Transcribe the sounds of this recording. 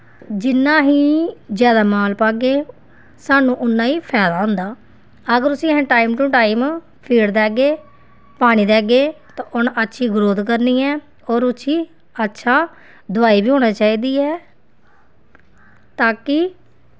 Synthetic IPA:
d͡ʒɪnːãːɦiːd͡ʒjaːd̪aːmaːlpaːɡeː | saːnũːʔʊnːãːiːpʰɛːd̪aːɦʊ̃ːnd̪aː | əɡəɾʊsĩːəɦẽːʈaːiːmʈũːʈaːim | pʰiːɽd̪ɛːɡeː | paːɽ̃iːd̪ɛːɡeːt̪ãːʔʊnətːʃʰiːɡɾoːd̪kəɾniːɛː | oːɾʊsʰiː | ətːʃʰaː | d̪ʊʋaːiːbiːɦoːɽ̃aːt͡ʃaːiːd̪iːɛː | t̪aːkɪ

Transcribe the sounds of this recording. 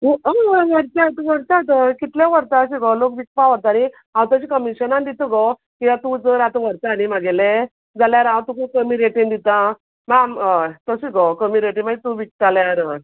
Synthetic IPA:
uəəʋəɾt̪at̪uʋəɾt̪at̪əkit̪lẽʋəɾt̪aːɕiɡɔlokʋik̚paʋəɾt̪ani | ɦãwt̪əɕikəmiɕənand̪it̪əɡɔ | kijat̪ud͡zəɾat̪ɔ̃ʋəɾt̪aːnimaɡele | d͡zaljaɾãwt̪ukukəmiɾeʈĩnd̪it̪ã | mamt̪əɕiɡɔkəmiɾeʈimat̪uʋik̚t̪aljaɾə

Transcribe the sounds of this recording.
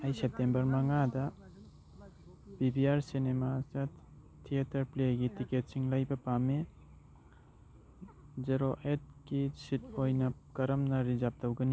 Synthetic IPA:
ajsep̚tembɐɾmɐŋada | bibiaɾsinemasa | tʰiatɐɾpleɡitiket̚siŋlajbɐpame | zeɾoʔet̚kisit̚ojnɐkɐɾɐmnɐɾizap̚d̪awɡɐni

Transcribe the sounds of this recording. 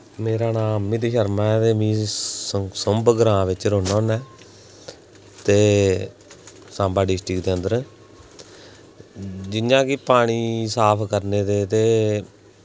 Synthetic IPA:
meːɾaːnãːmĩːt̪eːʃəɾmãːt̪eːmĩː | səmbɡɾãːʋɪt͡ʃɾoːnaːnɛː | t̪eː | sãːbaːɖɪsʈɾɪkd̪eːənd̪əɾ | d͡ʒɪnãːkɪpaːɽ̃iːsaːpʰkəɾneːt̪eːt̪eː

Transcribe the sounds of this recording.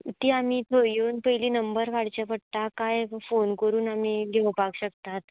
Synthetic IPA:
t̪iːam̤iːt̪ʰojjoːnpəjliːnəmbəɾkaɽ̤t͡ɕepəɽt̪akajfonkəɾuːnam̤iːɡʱeʋpaɡɕəkt̪at̪

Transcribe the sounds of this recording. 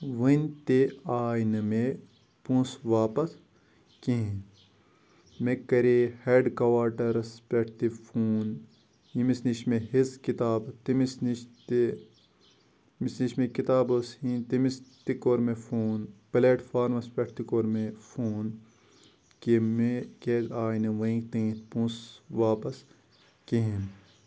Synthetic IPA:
ʋɐnʲt̪eaːjnɐme | pũːsʋaːpɐs | kĩɦĩ | mẽkɐɾeheːɖkɐʋaːʈɐɾɐspeʈʰt̪ifʰuːn | jimisniʃmẽɦiskit̪aːbt̪imisniʃt̪e | misniʃmẽkit̪aːbosĩːnt̪imist̪ikoːɾmefʰoːnpɐleːʈfʰaːɾmɐspeʈt̪ikoːɾmẽfʰuːn | kemekezaːjnɐʋɐĩkt̪ẽt̪pũːsʋaːpɐs | keɦin

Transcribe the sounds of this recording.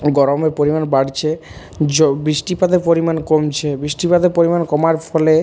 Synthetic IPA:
ɡɔɾomeɾpoɾimanbaɽt͡ɕʰe | d͡ʑbɾiʃʈipad̪eɾpoɾimankomt͡ɕʰebɾiʃʈipad̪eɾpoɾimankɔmaɾfʰɔle

